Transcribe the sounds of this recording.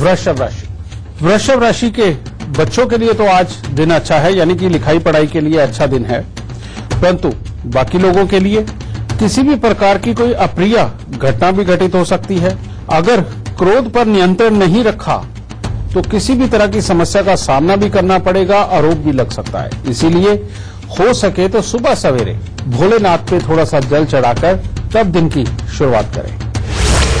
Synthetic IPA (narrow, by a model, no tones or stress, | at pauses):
ʋɾɐʃəʋɾa̰ːʃi̥ | ʋɾəʃəʋɾaːʃike | bɐtːʃõkeliet̪oaːd͡ʒd̪ɪnɐtːʃʰaɦɛjaːnik̬ilɪkʰaːipɐɽ̤aːikelieɐtːʃʰad̪ɪnɦɛ̰ː | pɐɾə̃nt̪u | baːkiloːɡõkelie | kɪsibʱipɾɐkaːɾkikoːiʔɐpɾija | ɡʱɐʈnabʱiɡʱɐʈɪt̪ɦosɐk̚t̪iɦɛː | ɐɡəɾ | kɾoːd̪pɐɾnɪjə̃nt̪ɾənːɐɦĩɾɐkʰa̰ | t̪okɪsibʱit̪ɐɾəɦkisɐməsjakasaːmnabʱikɐɾnapɐɽeːɡaʔaːɾoːp̚bʱilɐɡsɐk̚t̪a̰ɦɛ̰ɪsilie | hoːsɐket̪osʊbasɐʋḛːɾḛ̃ː | bʱoːlenaːt̪̚pet̪ʰoːɽasad͡ʒɐlt͡ʃɐɽaːkəɾt̪ɐb̚d̪ɪnkiʃʊɾua̰ːt̪kɐ̰ɾḛ̃ː